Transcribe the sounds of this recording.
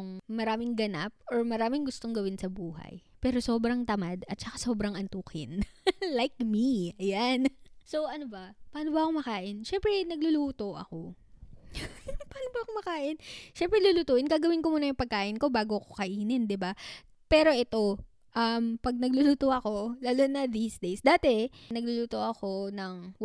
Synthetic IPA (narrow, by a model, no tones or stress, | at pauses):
ŋmɐɾaːmɪŋɡɐna̰p̚oɹmɐɾaːmɪŋɡʊst̪o̞ŋɡɐwɪnsɐbuːɦɐ̰jpɛːɾo̞so̞ːbɾɐŋt̪ɐmad̪ɐt̪̚t͡ʃɐkaso̞ːbɾɐŋʔɐnt̪uːkɪnlajkmiɐjanso̞ʔɐnobɐpaːnobɐʔɐkomɐkaːʔɪnʃɛmpɾɛnɐɡ̚lʊluːt̪o̞ʔɐ̰ko̞ | paːnobɐʔɐkomɐkaːʔɪnʃɛmpɾɛluluːt̪uːʔɪnɡaːɡɐwɪnkomuːnɐjʊŋpɐɡ̚kaːʔɪnko̞baːɡo̞ɐkokɐʔiːnɪnd̪ɪba | pɛːɾo̞ʔɛt̪o̞ | ʔɐmpɐɡ̚nɐɡlʊluːt̪oʔɐko̞laːlonɐd̪iːsd̪ejsd̪aːt̪ɛnɐɡ̚lʊluːt̪o̞ʔɐko̞nɐŋ